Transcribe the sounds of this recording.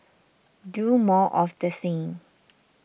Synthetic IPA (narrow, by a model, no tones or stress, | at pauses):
dumɔʔɔfdəsẽŋ